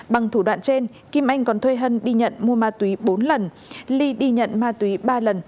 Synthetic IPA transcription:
ɓa˨˩ŋt̪ʰu˧˩ɗwa̰ː˧˨nt͡ɕe˧n | ki˧mʔa˧jŋ̟kɔ˨˦nt̪ʰwe˧jɦə˧nɗi˧ɲə̰˧˨nmu˧əmaː˧t̪wi˨˦ɓo˨˦nlə˨˩n | li˧ɗi˧ɲə̰˧˨nmaː˧t̪wi˨˦ɓaː˧lə˨˩n

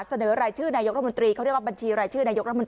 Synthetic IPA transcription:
sa˧nɤː˩˦ɾaː˧jt͡ɕʰɯː˥˩naː˧jo˦˥k̚ɾ̚ʰo˧nt̪ɾiː˧kʰa˥ɾk̚wa˥˧˩ba˧nt͡ɕʰiː˧ɾaː˧jt͡ɕʰɯː˥˩naː˧jo˦˥kɾ̚ʰo˧t̪

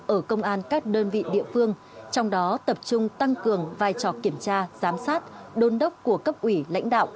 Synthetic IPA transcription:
ʔəː˧˩kə˧wŋ͡mʔaː˧nkaː˦˥k̚ɗəː˧nvḭ˧˨ɗḭ˧˨əfɨ˧əŋ | t͡ɕɔ˧wŋ͡mɗɔ˨˦t̪ə˨˩p̚t͡ɕʊ˧ŋ͡mt̪a˧ŋkɨ˨˩əŋvaː˧jt͡ɕɔ˧˨˩ki˧˩əmt͡ɕaː˧z̥aː˨˦msaː˦˥t̚ɗo˧nɗə˦˥wk͡p̚ku˧˩əkə˦˥p̚ʔwi˧˩la̰˧˥jŋ̟ɗa̰ː˧˨wʔ

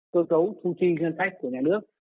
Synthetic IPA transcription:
kəː˧sə˨˦wt̪ʰu˧t͡ɕi˧zi˧ənsa˦˥jk̟kːu˧˩əɲaː˨˩nɨ˦˥ək̚

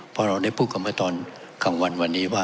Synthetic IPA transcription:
pʰɔ˧ɾa˧wda˥˩jpʰuː˥˩t̪̚ka˧˩ma˥˩t̪ɔː˧n | kʰa˨˩˦ŋwa˧nwa˧nːiː˦˥waː˥˩

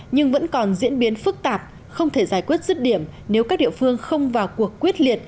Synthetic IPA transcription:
ɲɨ˧ŋvə̰˧˥nkɔ˨˩nzḭ˧˥ənɓi˨˦ənfɨ˦˥k̚t̪aː˨˩p̚ | xə˧wŋ͡mt̪ʰe˧˩zaː˧˩jkwi˦˥ət̚zɨ˦˥t̚ɗi˧˩əmne˨˦wkaː˦˥k̚ɗḭ˧˨əfɨ˧əŋxə˧wŋ͡mvaː˨˩wku˨˩əkːwi˦˥ət̚li˨˩ət̚

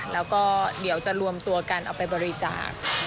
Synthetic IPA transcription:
lɛː˦˥wkɔː˥˩di˩˦əwt͡ɕa˨˩ɾu˧əmt̪u˧ɐka˧nʔa˧wpa˧jbɔː˧ɾi˦˥t͡ɕa̰ː˨˩k̚

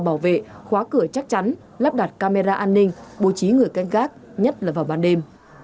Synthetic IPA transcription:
ɓaː˧˩wvḛ˧˨xwaː˨˦kɨ˧˩ət͡ɕa˦˥k̚t͡ɕa˨˦n | laː˦˥p̚ɗa˨˩t̚kaː˧me˧zaː˧ʔaː˧nːï˧ŋ̟ɓo˧˩t͡ɕi˨˦ŋɨ˨˩əjka˧jŋ̟ɣaː˦˥k̚ | ɲə˦˥t̚laː˨˩vaː˨˩wɓaː˧˩nɗe˧m

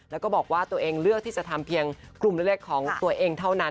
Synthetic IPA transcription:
lɛː˦˥wkɔː˥˩bɔː˨˩k̚waː˥˩t̪u˧ʔeː˧ŋɾɯ˥˩ək̚t̪ʰiː˥˩t͡ɕa˨˩t̪ʰa˧mpʰi˧əŋ | klu˨˩mɾe˥˩k̚leː˥˩kʰːɔː˩˦ŋt̪u˧ɐʔeː˧ŋt̪ʰa˥˩wna˦˥

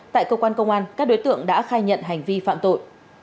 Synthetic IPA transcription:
t̪a̰ː˧˨jkəː˧kwaː˧nkə˧wŋ͡mʔaː˧nkaː˦˥k̚ɗo˨˦jt̪ɨ̰˧˨əŋɗa̰ː˧˥xaː˧jɲə̰˧˨nɦa˨˩jŋ̟vi˧fa̰ː˧˨mt̪o̰˧˨j

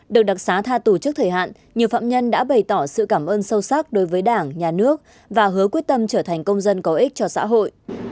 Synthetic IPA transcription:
ɗɨ˨˩ək̚ɗa˨˩t̚saː˨˦t̪ʰaː˧t̪u˧˩t͡ɕɨ˦˥k̚t̪ʰəː˨˩jɦa̰ː˧˨n | ɲi˨˩əwfa̰ː˧˨mɲə˧nɗa̰ː˧˥ɓə˨˩jt̪ɔ˧˩sɨ̰˧˨kaː˧˩mʔəː˧nsə˧wsa˦˥k̚ɗo˨˦jvəː˨˦jɗaː˧˩ŋɲaː˨˩nɨ˦˥ək̚ | vaː˨˩ɦɨ˨˦əkwi˦˥ət̚t̪ə˧mt͡ɕəː˧˩t̪ʰa˨˩ŋ̟kə˧wŋ͡mzə˧nkɔ˨˦ʔï˦˥k̚t͡ɕɔ˧sa̰ː˧˥ɦo̰˧˨jʔ

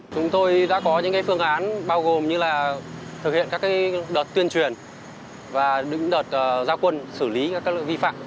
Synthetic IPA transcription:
t͡ɕʊ˨˦ŋ͡mt̪o˧jɗa̰ː˧˥kɔ˨˦ɲɨ̰˧˥ŋkaː˨˦fɨ˧əŋʔaː˨˦nɓaː˧wɣo˨˩mɲɨ˧laː˨˩t̪ʰɨ˨˩k̚hḭ˧˨ənkaː˦˥kːaː˨˦jɗəː˨˩t̚t̪wi˧ənt͡ɕwi˨˩ən | vaː˨˩ɗɨ̰˧˥ŋɗoː˨˩t̚ʔəː˨˩zaː˧wkwə˧nsɨ˧˩li˨˦kaː˦˥kaː˦˥kvi˧fa̰ː˧˨mʔ

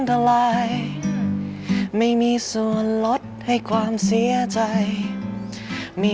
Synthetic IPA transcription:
nt̪ʰa˧laː˧j | ma˥˩jmiː˧su˨˩ənlo˦˥t̪̚ha˥˩jkʰwaː˧msi˩˧˥ət͡ɕa˧j | miː˧

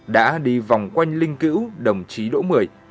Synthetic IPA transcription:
ɗa̰ː˧˥ɗi˧va˨˩wŋ͡mkwa˧jŋ̟lï˧ŋ̟kḭ˧˥wɗə˨˩wŋ͡mt͡ɕi˨˦ɗo̰˧˥mɨ˨˩əj

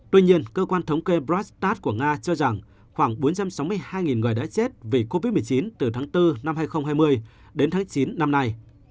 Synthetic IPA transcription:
t̪wi˧ɲi˧ənkəː˧kwaː˧nt̪ʰə˨˦wŋ͡mke˧bzɔ˦˥st̪aː˦˥t̚ku˧˩əŋaː˧t͡ɕɔ˧za˨˩ŋ | xwaː˧˩ŋɓo˨˦nt͡ɕa˧msa˨˦wmɨ˧əjhaː˧jŋi˨˩nŋɨ̰˨˩jɗa̰ː˧˥t͡ɕe˦˥t̚vi˨˩ko˧vi˦˥t̚mɨ˨˩ə˩t͡ɕi˨˦nt̪ɨ˨˩t̪ʰaː˨˦ŋt̪ɨ˧na˧mhaː˧jxə˧wŋ͡mɦaː˧jmɨ˧əj | ɗe˨˦nt̪ʰaː˨˦ŋt͡ɕi˨˦nːa˧mna˧j

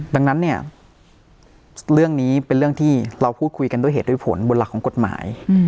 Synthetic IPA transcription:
da˧ŋna˦˥nːi˥˩ɐə | ɾɯ˥˩əŋniː˦˥pe˧nɾɯ˥˩əŋt̪ʰiː˥˩ɾa˧wpʰuː˥˩t̪̚kʰu˧jka˧ndu˥˩ə˨eː˨˩du˥˩˨pʰo̰˩˦nbo˧nla˨˩kʰːɔː˩˦ŋko˨˩t̪̚ma̰ː˩˦j

